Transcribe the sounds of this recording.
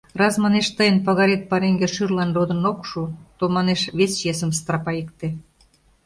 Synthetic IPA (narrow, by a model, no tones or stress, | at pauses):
rɑsmɑneʃt̪əjənpɑɣɑɾet̪̚pɑɾeŋɡeʃyrlɑnrod̪ə̆nokʃut̪omɑneʃβest͡ɕes̬ə̆mst̪ɾɑpɑikt̪e